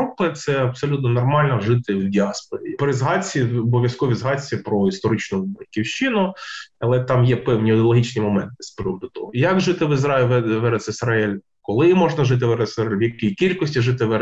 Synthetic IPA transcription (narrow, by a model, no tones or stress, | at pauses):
ɔpɪt̪sɛɐpsɔlʲut̪nɔnɔrmɑlʲnɐʐɪt̪ɪwwdʲiɑspɔɾʲipɾɪzɦɑt͡sʲːiɔbɔʋʲjɐskɔʋʲizɦɑt͡sʲːipɾɔist̪ɔɾɪt͡ʃnʊbɐjʲkʲiwʃt͡ʃinʊɐlˠɛt̪ɑmjɛpɛwnʲiɔd̪ʲɐlˠɐɦit͡ʃnɪjmɔmɛnt̪ɪsʲpɾʲɔmd̪ʊt̪ɔ̰ɦɔjɐkʐɪt̪ɪʋɪzɾɑɪlʲɛʋɛɾɛsɪsɾɐɛlʲ | kɔlˠɪmɔʐnɐʒɪt̪̬ɪʋɛɾɛssɛlʲʋjɐkʲijkʲilʲkɔsʲtʲiʒɪt̪ɪʋɛ